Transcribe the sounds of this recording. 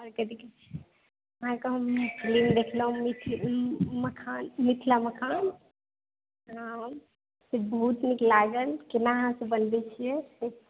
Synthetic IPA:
əɾkəd̪ikit͡ʃʰi | ɦãkəɦəmkʰlimd̪ekʰləɦũmit̪ʰ | məkʰanmit̪ʰlaməkʰaːn | ɦãm | sebʱuːt̪niklaɡəlkinaɦãsẽbənb̪ɛt͡ʃʰijɛse

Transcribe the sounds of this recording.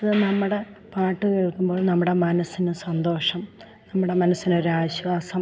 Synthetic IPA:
ɐðɨnɐmːuɽe̞ | paːʈːɨkeːɭkːumboːɭnɐmːuɽe̞mɐnɐsinɨsɐnd̪o̞ːʂɐm | nɐmːuɽe̞mɐnɐsːino̞ɾuaːiɕʋaːsɐm

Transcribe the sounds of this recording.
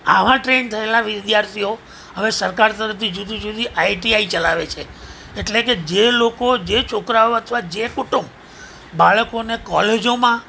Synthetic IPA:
a̰ʋãʈɾent̪ʰəelaʋɪd̪jaɾt̪ʰio | əʋesəɾkaɾt̪əɾəft̪ʰid͡ʒud̪ʱid͡ʒud̪ʱiʔaiʈiait͡ʃəlaʋet͡ʃʰe | eʈleked͡ʒelokod͡ʒet͡ʃʰokɾaoət̪ʰʋad͡ʒekuʈumb | baɭkonekɔled͡ʒomã

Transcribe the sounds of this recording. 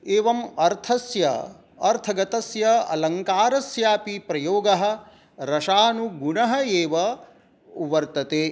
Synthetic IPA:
eːʋɐmɐɾt̪ʰɐsjɐ̰ | ɐɾt̪ʰɐɡɐt̪ɐsjɐɐ̰lɐŋkaːɾɐsjaːpipɾɐjoːɡɐɦɐ̆ | ɾɐʃaːnuɡuɳɐɦɐeːʋɐ | uʋɐɾt̪ɐt̪eː

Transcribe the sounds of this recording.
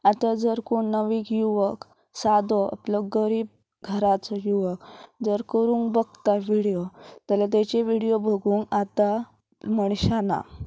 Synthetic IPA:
at̪ad͡zəɾkoɳnəʋiːkjuʋək | sad̪ɔʔə̰pləɡəɾiːb̚ | ɡʱəɾat͡sɔjuʋəkd͡zəɾkəɾũːŋkbəɡ̚t̪aʋiɽijot̪əlat̪̬et͡ɕeʋiɽijobʱəɡuːnat̪a | məɳ̃ɕana̰

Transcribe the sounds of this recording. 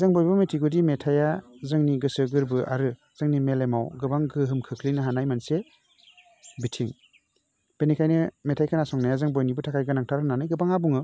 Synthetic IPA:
zaŋbɔjbɯmetʰiɡudimetʰajazɯŋniɡɯsɯɡɯɾbɯʔa̰ɾɯ | z̥ɯŋnimelemawɡɯbaŋɡɯɦɯmkʰɯkʰlinɯɦanajmanse | bitʰiŋ | b̥enikʰajnɯmetʰajkʰanasɔŋnajazaŋbɔjnibɯtʰakʰajɡɯnaŋtʰaɾɯnanɯjɡɯbaŋabuŋɯ

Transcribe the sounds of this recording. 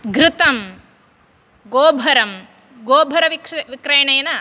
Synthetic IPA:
ɡɾɪt̪ɐm | ɡoːbʱɐɾɐm | ɡoːbʱɐɾɐʋikʋikɾɐjɐɳɐjɐnɐ

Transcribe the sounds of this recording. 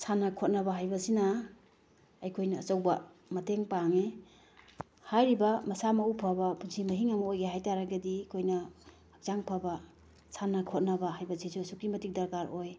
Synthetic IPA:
sʰanɐkʰot̚nɐbaɦajbɐsinɐ | ɐjkʰojnɐːt͡ʃɐwbɐ | mɐteŋpaŋe | hajɾibɐmɐsamɐupʰabɐpunsʰimɐɦiŋɐmɐojɡeɦajtaɾaɡɐdikʰojnɐ | hɐk̚zaŋpʰabɐ | sʰanɐkʰot̚nɐbɐɦajbɐsisusuk̚imɐtik̚dɐɾkaɾoj

